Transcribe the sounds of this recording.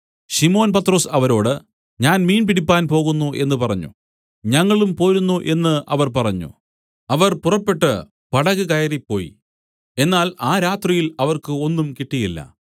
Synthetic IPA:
ɕimo̞ːnpɐt̪ːro̞ːsɐʋɐɾo̞ːɽɨ | ɲaːnmiːnpiɽipːaːnpo̞ːɣunːuʔe̞nːɨpɐrɐɲːṵ | ɲɐŋːɐɭumpo̞ːɾunːuʔe̞nːɨɐʋɐrpɐrɐɲːṵ | ɐʋɐrpurɐpːe̞ʈːɨ | pɐɽɐɣɨkɐjɐɾipːo̞̰ːjḭ | e̞nːaːlaːɾaːt̪rijilɐʋɐrkɨo̞nːumkiʈːijilːɐ̰

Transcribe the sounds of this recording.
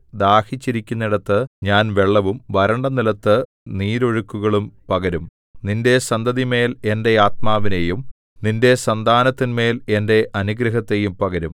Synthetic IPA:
d̪aːhit͡ɕːiɾikʲːunːiɽɐt̪ːɨɲaːnʋe̞ɭːɐʋumʋɐɾɐɳɖɐnilɐt̪ːɨ | niːɾo̞ɻukːuɣɐɭumpɐɣɐɾum | ninde̞sɐnd̪ɐðime̞ːle̞nde̞aːt̪maːʋinejum | ninde̞sɐnd̪ʱaːnɐt̪ːinme̞ːle̞nde̞ʔɐnuɡɾɐɦɐt̪ːe̞jumpɐɣɐɾum

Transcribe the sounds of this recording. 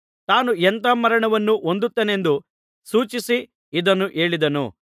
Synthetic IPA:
t̪aːnuɛnt̪ɐmɐɾɐɳɐʋɐnːuʔond̪ut̪ːeːne̞nd̪u | suːt͡ʃisi | id̪ɐnːuʔe̞ːɭid̪ɐnṵ

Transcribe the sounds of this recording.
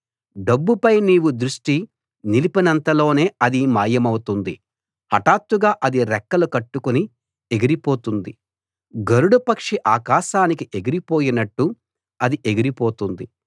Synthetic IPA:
ɖɐbːupɐjniːwud̪ɾuʂʈi | nilipɐnɐnt̪ɐlo̞ːne̞ːɐd̪imaːjːɐmɐwut̪und̪i | hɐʈaːt̪ːuɡaːʔɐd̪iɾɛkːɐlukɐʈːukuni | eɡiɾipo̞ːt̪und̪i | ɡɐɾuɽupɐkʂiʔaːkaːʃaːnikiʔe̞ɡiɾipo̞ːjinɐʈːu | ɐd̪iʔe̞ɡiɾipo̞ːt̪und̪i

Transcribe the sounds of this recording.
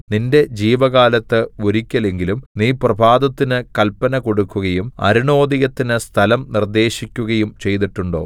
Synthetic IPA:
ninde̞d͡ʑiːʋɐɣaːlɐt̪ːɨoɾikʲːɐle̞ŋɡilumniːprɐbʱaːd̪ɐt̪ːinɨkɐlpːɐnɐko̞ɽukːuɣɐjumɐ̰ɾiɳo̞ːd̪iɣɐt̪ːinɨst̪ʰɐlɐmnird̪e̞ːɕikʲːuɣɐjumt͡ɕe̞jt̪iʈːuɳɖo̞̰ː

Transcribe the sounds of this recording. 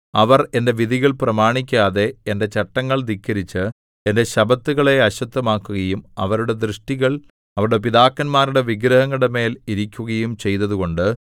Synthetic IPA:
ɐʋɐre̞nde̞ʋiðiɣɐɭprɐmaːɳikʲːaːðe̞ːnde̞t͡ɕɐʈːɐŋːɐɭd̪ikːɐɾit͡ɕːɨ | ende̞ɕɐbɐt̪ːuɣɐɭe̞ɐɕɐt̪ːɐmaːkːuɣɐjumɐʋɐɾuɽe̞d̪rɨʂʈiɣɐɭ | ɐʋɐɾuɽe̞piðaːkːɐnmaːɾuɽe̞ʋiɡɾɐɦɐŋːɐɽeme̞ːliɾikʲːuɣɐjumt͡ɕe̞jt̪ɐðuɣo̞ɳɖɨ

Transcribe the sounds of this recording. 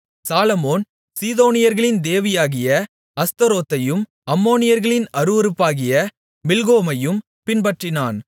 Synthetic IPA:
saːlɐmoːn | siːðoːnɪjɐɾɣɐɭɪnd̪eːʋɪjaːɣɪjɐ | ɐst̪ɐɾoːt̪ːɐjɯm | ɐmːoːnɪjɐɾɣɐɭɪnɐɾɯʋɐɾɯpːaːɣɪjɐ | mɪlɣoːmɐjɯm | pɪnbɐʈrɪnaːn

